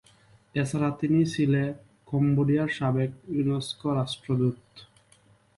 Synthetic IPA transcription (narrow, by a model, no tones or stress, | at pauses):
et͡ɕʰaɾat̪init͡ɕʰile | komboɖijaɾʃabek̚uneskoɾasʈɾod̪ut̪